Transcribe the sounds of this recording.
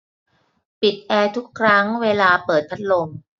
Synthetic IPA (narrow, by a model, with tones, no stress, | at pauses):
pi˨˩t̪̚ʔɛː˧t̪ʰu˦˥kʰːɾa˦˥ŋweː˧laː˧pɤː˨˩t̪̚pʰa˦˥t̪̚lo˧m